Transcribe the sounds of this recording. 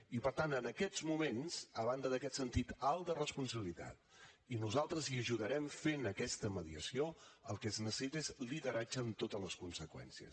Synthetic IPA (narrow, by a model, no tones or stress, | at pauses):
ipəɾt̪anənəkɛd͡zmumenzəβand̪əðəkɛt̪sənt̪it̪alˠd̪ərəspunsəβilit̪a̰t̪ | inuzalˠt̪ɾəziəʒuðəɾɛmfenəkɛst̪əməðiə̰sioəlˠkɛznəsəsit̪ezliðəɾad͡ʒəːmt̪ot̪ələskunsəkwɛ̰nsiə̰s